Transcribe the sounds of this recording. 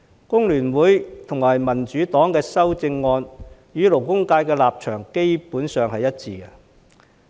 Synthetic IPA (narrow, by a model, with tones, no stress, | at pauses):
kʊ˥ŋlyː˨˩nwuː˨˥jt̪ʰʊ˨˩ŋmaː˨˩jmɐ˨˩nt͡ʃyː˨˧t̪ɔː˨˥ŋkɛː˧sɐ˥wt͡sɪ˧ŋːɔː˧njyː˨˥lo˨˩wkʊ˥ŋkaː˧jkɛː˧laː˨p̚t͡ʃʰœː˨˩ŋke˥jpuː˨˥nsœː˨ŋhɐ˨jɐ˥t̚t͡siː˧ɡɛ˧